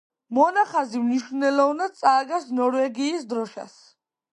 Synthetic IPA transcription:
mɔnaχazimniʃunɛlɔvnad̪̚tsʼaːɡasnɔɾvɛɡiːsd̪ɾɔʃa̰s

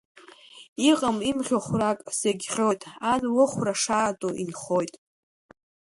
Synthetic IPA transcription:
iqʼamimχʲoχʷrakʼseɡʲχʲojtʼanwɨχʷraʂaːtʼoʔḭnχojtʼ

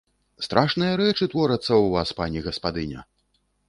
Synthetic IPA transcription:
st̪ɾʔaʂnɨjɐɾɛt͡ʂɨt̪vɔɾɐt̪sːɐwvaspanʲiɣɐspad̪ɨnʲɐ̰

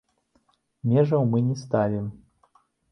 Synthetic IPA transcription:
mʲɛʐɐwmɨnʲɛst̪alʲi

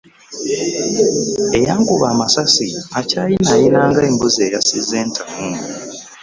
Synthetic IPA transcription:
e̞jaːŋkuβaːmasasiacaːjinajinaːŋɡaeːmbuzeːjasizːe̞ːntʰamu

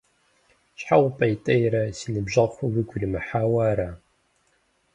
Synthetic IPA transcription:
ɕħawpʼɐjtʼɐjɾɐsiːnɨbʑɐʁxʷʊwɨɡʷʊɮɨmɨħaːwaːɾa

